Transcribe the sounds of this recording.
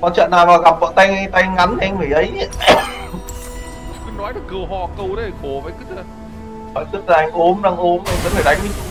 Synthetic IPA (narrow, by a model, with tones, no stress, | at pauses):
kɔ˨˧˦t͡ɕə̰ː˧˨nːaː˨˩wvaː˨˩ɣa˨˩p̚və̰ː˧˨t̪a˧jŋt̪a˧jŋa˨˦ndi˨˩ʔjŋ̟mi˨˩ʔə˨˦j | kɨ˨˧˦nɔ˨˦jɗɨ˨˩əkkɨ˧əwɦɔ˧˩kə˧wɗə˨˦˨ko˧˩va˨˦jkɨ˦˥tə˧˩ | vɔ̰ː˧˨t̪ɨ˦˥t̚laː˨˩ʔa˧ŋ̟ʔo˨˦mɗa˧ŋʔo˨˦mʔa˧j̟və˧˦˥nlə˨˩ɗa˨˦jŋ̟ɨ˧˦